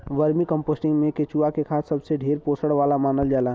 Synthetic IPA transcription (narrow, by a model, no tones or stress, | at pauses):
ʋəɾmikə̃mpoːsʈɪ̃ŋɡmẽket͡ʃuakekʰaːt̪ʰsəbseɖʱeːɾpoːsəɽʋaːlamaːnəld͡ʒaːla